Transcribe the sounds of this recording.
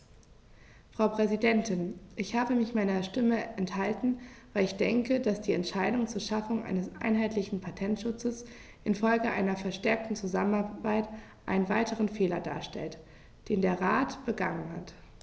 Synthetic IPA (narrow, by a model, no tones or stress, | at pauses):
fʁ̥aʊpʁ̥ɛzidɛntʰɪnʔɪçhaːbəmɪçmaɪnɐʃtɪməʔɛnthaltn̩vaɪlɪçd̥ɛŋkədasd̥iːɛntʃaɪdʊŋt͡suːɐʃafʊŋʔa̰ɪnəsʔa̰ɪnɦaɪtlɪçn̩pʰatʰɛntʃʊt͡səs | ʔɪnfɔlɡəʔaɪnɐfɛɐʃtɛɐk̚tn̩t͡suzamənabaɪt | ʔaɪnənvaɪtəʁ̞ənfeːlɐda̰ːɐʃtɛ̰lt | d̥eːndeːɐʁaːtb̥əɡaŋənha̰t